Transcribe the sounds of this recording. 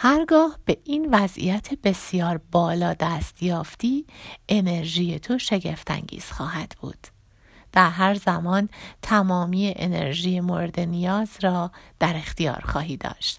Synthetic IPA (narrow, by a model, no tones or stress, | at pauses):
hæɾɡɒːhb̥e̞ʔiːnvæzʔḭjæt̪ʰebe̞sijɒːɾbɒːlɒːd̪æːst̪jɒːft̪iːʔe̞ne̞ɾʒiːjet̪ʰo̞ʃe̞ɟe̞ft̪ʰæ̰ŋɟḭːz̥xɒːɦæd̪̥b̥ṵːd̪̥ | d̪̥æɾɦæɾzæmɒːnt̪ʰæmɒːmiːjeʔḛnḛɾʒiːjemo̞ɾd̪enijɒːzɾɒːd̪̥æɾe̞xt̪ijɒ̰ːɾxɒːɦiːd̪̥ɒ̰ːʃt̪